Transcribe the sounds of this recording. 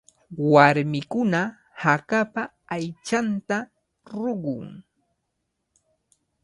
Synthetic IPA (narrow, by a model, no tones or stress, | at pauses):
waɾmɪkʊna | hakapaː | jt͡ʃant̪a | ɾoɢʊŋ